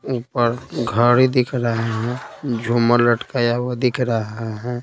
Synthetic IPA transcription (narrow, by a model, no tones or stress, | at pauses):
uːpəɾɡʱəɽid̪ɪkʰɾəɦeɦɛ̃d͡ʒʱumələʈkajawod̪ɪkʰɾəɦeɦɛ̃